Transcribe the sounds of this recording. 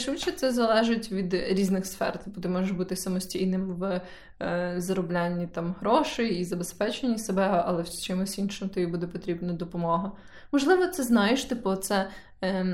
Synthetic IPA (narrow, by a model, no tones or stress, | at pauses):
ʃʋɪt͡ʃɛt̪sɛzɐlˠɛʒɪtʲʋʲid̪ɾʲiznɪxsfɛ̰rt̪bɔt̪ɪmɔʒeʃbut̪ɪsɐmɔsʲtʲijnɪmʋ | zɐɾɔblʲanʲːit̪ɑmɦɾɔʃɪizɐbespɛt͡ʃenʲːisebɛɐlˠɛwt͡ʃɪmʊsʲinʃɪmt̪ɔjibud̪ɛpɔt̪ɾʲibnɐd̪ɔpɔmɔɦɐ | mɔʒlˠɪʋɔt̪sɛznɑjeʃt̪ɪpɔt̪sɛ